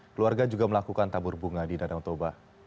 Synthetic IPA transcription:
kəluarɡad͡ʒuɡaməlakukant̪abʊrbuŋadidadaŋt̪oba

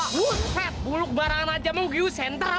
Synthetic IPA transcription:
wuɛt̪̚bulʊk̚baɾaŋanad͡ʒaməŋɡjusɛnt̪ər

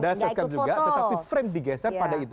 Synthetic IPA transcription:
dasɛskad͡ʒuɡɡaət̪apifɾɛmdiɡɛsərpadait̪

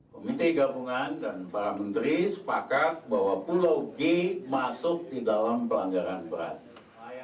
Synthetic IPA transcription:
komit̪eɡabuŋandanpaɾamənt̪ɾisə̥pakat̪̚bawapulawɡemasʊk̚didalampəlaŋɡaɾanbəɾa̰t̪̚

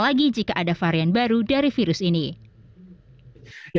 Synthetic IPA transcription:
laɡid͡ʒikaʔadafaɾianbaɾudaɾifiɾʊsini

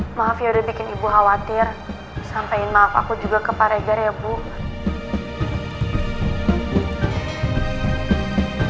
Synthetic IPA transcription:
maɦafiaudɛbikɪnibuɦawat̪ɪr | sampaɪnmaafa̰kud͡ʒuɡakəpaɾɛɡaɾebu

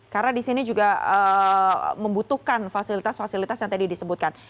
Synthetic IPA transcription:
karnadisinid͡ʒuɡaə | məmbut̪uhkanfasilit̪asfasilit̪asjaŋt̪adidisəbut̪̚kan

